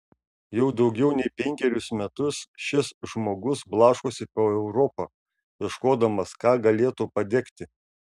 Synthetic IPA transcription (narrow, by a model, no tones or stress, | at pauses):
jɛʊd̪ɒʊɡʲɛʊnʲɛɪpʲɛŋʲkʲɛɾʲʊsmʲɛt̪ʊsʃʲɪsʒmoːɡʊsblˠɑːʃkoːsʲɪpoːɛʊɾɔpɐː | jʲɛʃkoːd̪ɐmɐskɑːɡɐlʲeːt̪uːpɐd̪ʲɛkt̪ʲɪ